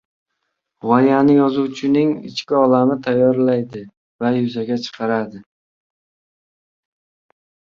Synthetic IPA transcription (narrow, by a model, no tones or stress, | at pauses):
ʁɒnijanɪjɒzuwt͡ʃʰɪnɪŋɪ̰t͡ʃkʲɪɒlamɪt̪ʰajːɒɾlajd̪ɪ | vajʊzaɡʲat͡ʃʰɨ̥qʰɑɾad̪ɪ